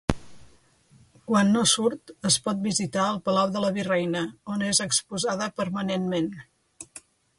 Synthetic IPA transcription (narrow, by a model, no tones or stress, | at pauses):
kwanːosuɾt̪əspɔt̪̚bizit̪aəlˠpəlawðələβirɛjnəonezəkspuzað̞əpəɾmənenmen